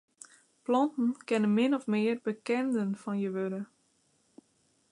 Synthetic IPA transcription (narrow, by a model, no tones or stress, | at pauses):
plɑntn̩kɛnənmɪnɔfmɪərbəkɛndənfɔnjəʋødə